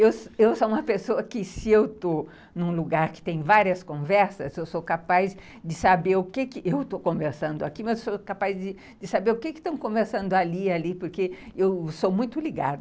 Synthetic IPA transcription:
ewsewsoũmɐpesoɐkɪsɪewt̪o | nũluɡaɾkɪ̥t̪ẽj̃vaɾiɐskõvɛɾsɐzewsokapajz | d͡ʒ̪ɪsabeɾʊkɪkɪʔewt̪okõveɾsɐ̃nd̪ʊakimɐzewsokapajzd̪ɪ | d̪ɪsabeɾʊkɪkɪst̪ɐ̃w̃kõveɾsɐ̃nd̪ʊalialipoɾkeewsomũj̃t̪ʊliɡa̰d̪ʊ

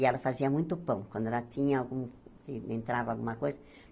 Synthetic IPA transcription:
ɪɛlɐfaziɐmũj̃t̪ʊpɐ̃w̃kwɐ̃nd̪ʊɛlɐt̪ĩɲɐawɡũ | ɪẽnt̪ɾavɐawɡṵ̃mɐkojzɐ

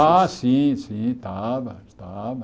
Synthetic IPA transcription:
aːsĩsĩt̪aːbt̪ab

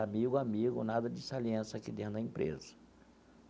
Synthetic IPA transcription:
amiɡʊamiɡʊ̰nad̪ɐd͡ʒɪsaliẽsɐkɪd̪ẽnd̪ɐẽmpɾḛzɐ

